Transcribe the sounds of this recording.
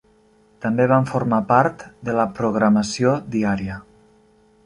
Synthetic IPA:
t̪əmbeβ̞aɱfoɾmapaɾt̪d̪ələpɾuɣɾaməsiod̪iaɾiə

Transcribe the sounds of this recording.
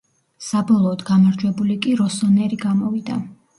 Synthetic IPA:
sabɔlˠɔːd̪ɡamaɾd͡ʒwɛbulikʼiɾɔsɔnɛɾiɡamɔvid̪a̰

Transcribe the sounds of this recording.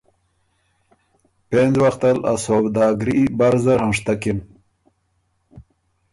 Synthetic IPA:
penzwaxt̪ala̰sobd̪ɑːɡɾibaɾzaɾhãʂt̪akim

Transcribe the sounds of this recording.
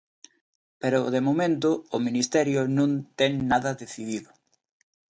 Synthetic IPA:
peɾʊðemomẽnt̪ʊːminist̪ɛɾjʊnõnt̪ɛŋnaðɐðeθiðiðʊ

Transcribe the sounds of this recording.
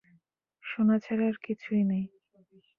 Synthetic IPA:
ʃonat͡ɕʰaɾaɾkit͡ɕʰujnej

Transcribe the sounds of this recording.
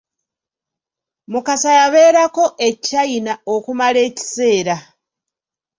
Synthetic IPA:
mukasajaβe̞ːɾako̞ʔe̞cːainao̞kumale̞ːci̥se̞ːɾa

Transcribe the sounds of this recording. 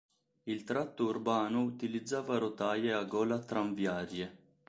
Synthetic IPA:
ilt̪ɾat̪ːuːrbaːnʊːt̪ilid̪zːaːvaɾot̪aːjeaɡɔːlat̪ɾaɱvjaːɾje

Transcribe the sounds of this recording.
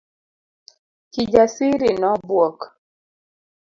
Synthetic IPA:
kid͡ʒasiɾinɔbwɔk

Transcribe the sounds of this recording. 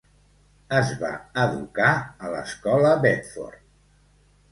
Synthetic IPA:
əzβa̰əðukaələ̰skɔləβɛt̪fɔ̰rt̪

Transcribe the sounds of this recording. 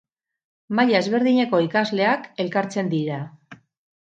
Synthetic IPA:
maʎaezβe̞ɾðiɲe̞ko̞ikazle̞ake̞lkaɾt͡se̞nd̪iɾa

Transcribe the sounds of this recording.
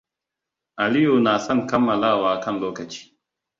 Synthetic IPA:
ɐlijoːnaːsɐnkʰɐmɐlaːwaːkʰɐnloːkɐt͡ɕi̥

